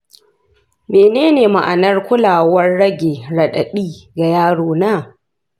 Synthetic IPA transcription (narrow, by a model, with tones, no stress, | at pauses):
meː˨neː˦neː˨ma˨ʔa˨nɐ˦rkʷʊ˦laː˨wɐ˦rːɐ˦ɡʲeː˨ɽɐ˨ɗɐ˨ɗiː˦ɡa˨jaː˦ɽoː˨naː˦˨